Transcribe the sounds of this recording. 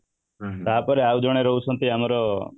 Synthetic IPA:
t̪aɦapɔɾeaud͡ʒɔɽ̃eɾɔɦusʰɔnt̪iamɔɾɔ

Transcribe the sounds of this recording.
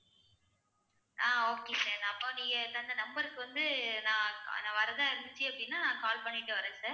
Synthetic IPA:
ʔaːoːkeːsaːɾnaːɐpːõniːŋɡɐɪt̪ːɐnd̪ɐnɐmbɐɾɯkːɯʋɐnd̪ɯnãːnãːʋɐɾɐðãːɪɾɯnd̪ɯt͡ʃːɯɐpːɐɽinːaːnãːkaːlpɐɳːɪʈːɯʋɐɾɐ̃ːsaːɾ

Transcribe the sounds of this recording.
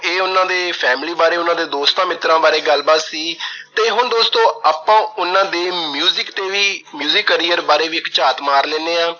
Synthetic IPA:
eːʊnãːd̪eːpʰɛːmliːbaːɾeːʊnãːd̪eːd̪oːst̪ãːmɪt̪ɾãːbaːɾeːɡəlbaːt̪siːt̪eːɦʊnd̪oːst̪õːaːpãːʊnãːd̪eːmjuːzɪkt̪eːʋiːmjuːzɪkːəɾiːəɾbaːɾeːʋiːkt͡ʃaːt̪maːɾlɛːneːãː

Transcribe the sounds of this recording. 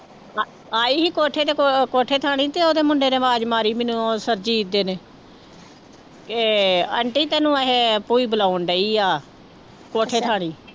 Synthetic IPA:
aːiːɦiːkoːʈʰeːt̪eːkoːʈʰeːt̪ʰaːɽ̃iːt̪eːoːd̪eːmʊɳɖeːɾeːmaːd͡ʒmaːɾiːmẽːnũːsəɾd͡ʒiːd̪eːneː | keə̰ɳʈiːt̪ɛːnũːaɦeːpuːiːbəlaːʊɳɖəiːaː | koːʈʰeːt̪ʰaːɽ̃iː

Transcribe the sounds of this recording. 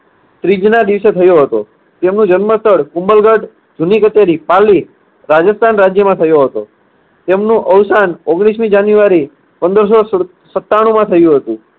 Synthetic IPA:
t̪ɾid͡ʒnad̪iʋset̪ʰəjoɦət̪o̰ | t̪emnũd͡ʒənməst̪ʰəɽkũmbəlɡaɖ | d͡ʒunikət͡ʃeɾipali | ɾad͡ʒəst̪ʰanɾad͡ʒjəmãt̪ʰəjoɦət̪o | t̪emnũʔəwsanoɡɽ̃ismid͡ʒanjuʋaɾi | pənd̪əɾs̬o | sət̪ːaɽ̃ũmãt̪ʰəjũɦət̪ũ

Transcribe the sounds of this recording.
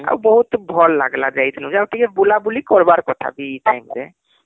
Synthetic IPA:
a̰wbɔɦut̪bʱɔlːa̰ɡlad͡ʒait̪nũzawʈʰikɛbulabulikɔɹbaɹkɔt̪ʰa̰bitajmɾɛ

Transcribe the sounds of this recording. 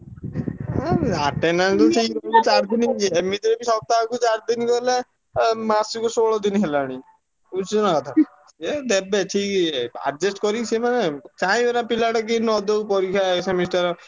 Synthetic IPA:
aʈenant̪uʈʰiklet͡ʃaɾd̪inimit̪ɾebisɔt̪akut͡ʃaɾd̪inikɔle | maɾsikusoɭɔd̪inɦelaɽ̃ĩ | ut͡ʃɔnakɔt̪ʰa | ed̪ebeʈʰika̰ɖ̚d͡ʒesʈkɔɾiksʰemanet͡ʃaĩbenapilaʈɔkinɔd̪opɔɾikʰaeksamisʈaɾɔ

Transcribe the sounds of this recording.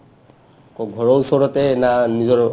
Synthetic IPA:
kɔɡʱɔɹɔɹusɔɹɔtɛnanizɔɹ

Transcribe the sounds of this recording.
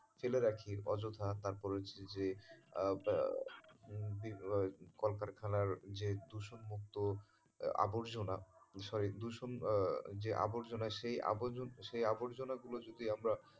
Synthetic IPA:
feleɾakʰiɾɔd͡ʑot̪ʰat̪aɾpɔɾet͡ɕʰed͡ʑe | bikɔlkaɾkʰalaɾd͡ʑed̪uʃonmuk̚t̪o | a̰boɾd͡ʑonaʃɔɾid̪uʃond͡ʑeʔa̰boɾd͡ʑonaʃeja̰bod͡ʑonʃejaboɾd͡ʑonaɡulod͡ʑod̪iamɾa

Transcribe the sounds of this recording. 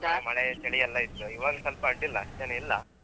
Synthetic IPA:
amɐɭet͡ʃɐɽiɐlːɐit̪ːuiʋaɡɐsɐlpɐɐɳʈilːɐːʂʈeneilːɐ̰

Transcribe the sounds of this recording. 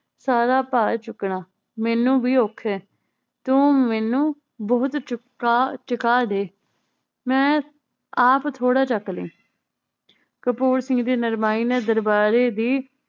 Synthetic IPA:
saːɾaːpaːt͡ʃʊkɳaː | mɛːnũːbiːoːkʰːɛː | t̪õːmɛːnũː | bɔːʊt̪ː | t͡ʃəkaːd̪eː | mɛ̃ː | aːpt̪ʰoːɽaːt͡ʃəklḛ̃ː | kəpuːɾsɪ̃ŋɡd̪eːnəɾmaːiːnɛ̃ːd̪əɾbaːɾeːd̪iː

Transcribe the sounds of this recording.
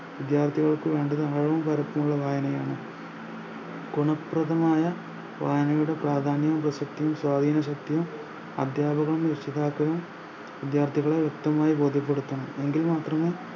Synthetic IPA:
ʋid̪jaːrt̪ʰiɣɐɭkɨʋe̞ːɳɖɐðɨaːɻɐʋɐmpɐɾɐpːumuɭːɐʋaːjɐnɐjaːɳɨ | ɡuɳɐprɐðɐmaːjɐ | ʋaːjɐnɐjuɽe̞praːd̪ʱaːnjɐumprɐsɐk̚t̪ijumswaːd̪ʱiːnɐɕ̬ɐk̚t̪ijum | ɐ̰d̪ʱjaːbɐɣɐɭumjɐʂiðaːkːɐɣɐm | ʋid̪jaːrt̪ʰiɣɐɭeʋjukt̪ɐmaːjibo̞ːd̪ʱipːeɽut̪ːɐɳɐmeŋɡilmaːt̪rɐmeː

